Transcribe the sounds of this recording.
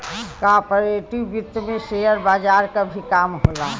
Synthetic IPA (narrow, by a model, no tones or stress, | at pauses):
kapəɾeːʈiʋjʊt̪ːmẽʃejəɾbaːd͡ʒaːɾkabʱikaːmɦoːlaː